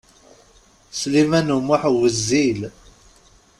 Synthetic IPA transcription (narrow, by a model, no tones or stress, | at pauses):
slimænumːʊħwəzːil